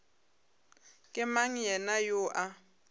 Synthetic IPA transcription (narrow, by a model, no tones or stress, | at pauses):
kʼɪmaŋ̩jɛnajʊʔa